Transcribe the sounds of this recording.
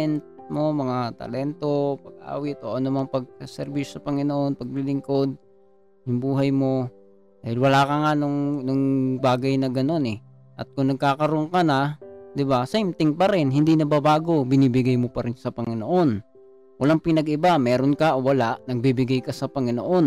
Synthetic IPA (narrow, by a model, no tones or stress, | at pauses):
ɛnt̪̚mo̞mɐŋat̪ɐ̰lɛnt̪o̞pɐɡ̚ʔa̰ːwɪt̪ʔoːʔɐnomɐŋpɐɡ̚kɐsɛɾbiʃjosɐpɐŋɪnoʔo̞npɐɡ̚lilɪŋko̞d̪̚ | jʊŋbuːɦɐjmo̞ | d̪aːhɪlwɐlaːkɐŋanʊŋnʊŋbaːɡɐjnɐɡɐno̞nɛ | ʔɐt̪̚kʊŋnɐɡ̚kaːkɐɾoŋkɐnɐd̪ɪbasjmt̪ɪŋpɐɾɪnɦɪnd̪inɐbabaːɡo̞bɪniːbɪɡajmopɐɾɪnsɐpɐŋɪnoʔo̞n | wɐlaŋpɪnɐɡɪbamɛːɾonkɐʔowɐlaʔnɐɡ̚bibɪɡajkɐsɐpɐŋɪno̰ʔo̞n